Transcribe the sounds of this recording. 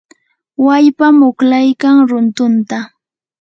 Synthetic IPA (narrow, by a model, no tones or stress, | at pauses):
waʎpamʊklajkaŋɾʊnt̪ʊnt̪a